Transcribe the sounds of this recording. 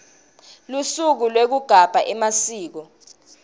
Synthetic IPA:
lusuk̬ulwek̬uɡ̥ʱab̥ʱaʔɛmasiːk̬ɔ

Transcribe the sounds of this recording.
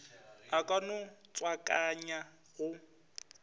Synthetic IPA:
akʼanʊt͡sʼwakʼaɲa | ɣʊ

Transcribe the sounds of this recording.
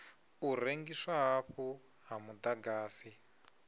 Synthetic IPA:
uɾeŋɡiswaɦaɸu | ɦamud̪aɡaːsi

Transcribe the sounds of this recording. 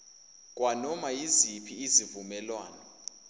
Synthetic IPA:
k̬ʼwanɔmajizipʰiːzivumɛlwaːnɔ

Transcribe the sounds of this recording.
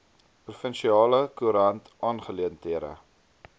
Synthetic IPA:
prufənʃiɑːləkuɾɐntʔɑːnχəliəntiəɾə̰

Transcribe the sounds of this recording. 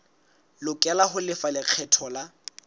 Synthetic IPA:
lʊkʼɛlaɦʊlɪfalɪq͡χʰɛtʰɔla

